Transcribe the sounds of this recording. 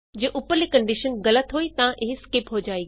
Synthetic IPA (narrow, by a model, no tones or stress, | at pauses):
d͡ʑeːʔʊpəɾlikɐ̃ɳɖɪʃənɣɐlət̪ɦuit̪ɐʋãʔɪɦɪskɪpɦod͡ʑaːiː